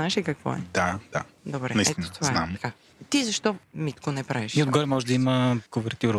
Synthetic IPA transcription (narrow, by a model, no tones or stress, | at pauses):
aɛʃikɐkvɔ̰ɛ̰d̪̥ad̪̥a̰d̪obɾɛ̰nɐiɛinot̪ovzana̰mɐka | t̪izɐʃt̪ɔmit̪konɛpɾaviʃiod̪ɡɔɾɛmɔʒɛd̪əiməkovɛɾt̪ʲuɾ